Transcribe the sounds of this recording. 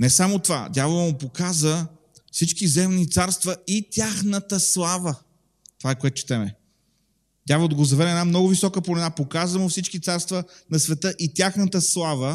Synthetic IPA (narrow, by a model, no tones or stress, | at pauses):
nɛsamot̪ova̰d̪ʲavəmʊpokazə | fsit͡ʃkizɛmnit̪saɾst̪vəit̪ʲjaxnət̪əslˠavə | t̪o̥vaɛkoɛt̪ʊ̥t͡ʃi̥t̪ɛmɛ | d̪ʲjavˠd̪ɐɡozɐvɛɾɛɛnamnɔɡʊvisɔkəponɛnapokazvəmʊfsit͡ʃkit̪saɾst̪vənɐsvɛt̪əʔit̪ʲjaxnət̪əslˠavə